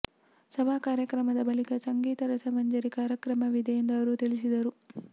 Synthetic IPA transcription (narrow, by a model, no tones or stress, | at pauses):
sɐbaːkaːɾjɐkɾɐmɐd̪ɐbɐɭikɐsɐŋɡiːt̪ɐɾɐsɐmɐɲd͡ʒɐɾikaːɾjɐkɾɐmɐʋid̪ʱɛjind̪ɐɐʋɐɾut̪iɭis̬id̪ɐɾu